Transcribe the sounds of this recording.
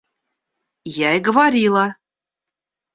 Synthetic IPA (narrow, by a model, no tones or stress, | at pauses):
jæjɡɤ̆vɑɾʲilˠɑ